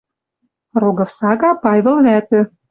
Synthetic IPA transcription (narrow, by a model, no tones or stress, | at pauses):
roɡɤ̆fsɑɣɑpɑjβɤ̆lβæt̪ø̆